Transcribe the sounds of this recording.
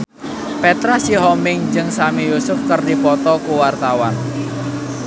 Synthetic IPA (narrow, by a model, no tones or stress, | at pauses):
pɛt̪ɾasiɦɔmɪŋd͡ʒɨŋsamijusʊfkərdipɔt̪ɔkuwart̪awan